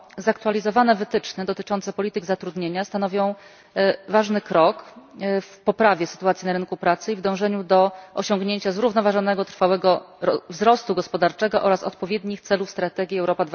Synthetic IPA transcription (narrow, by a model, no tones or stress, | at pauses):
zak̚t̪ualʲizɔvanɛvɘt̪ɘt͡ʂnɘd̪ɔt̪ɘt͡ʂɔnt̪sɛpɔlʲit̪ɘɡzat̪ɾud̪ɲeɲast̪anɔvʲjɔ̃w̃ | vaʐnɘkɾɔkfpɔpɾavʲjɛsɘ̥t̪uat̪sʲinaɾɘnkupɾat̪sɘivd̪ɔ̃w̃ʐɛɲud̪ɔʔɔɕɔŋɡɲeɲt͡ɕazɾuvnɔvaʐɔn̪ɛɡɔt̪ɾfawɛɡɔ | ɔvzɾɔst̪uɡɔspɔd̪aɾt͡ʂɛɡɔʔɔɾasɔ̰t̪̚pɔvʲjed̪ɲixt̪sɛlufst̪ɾat̪ɛɡʲiɛwɾɔpad̪v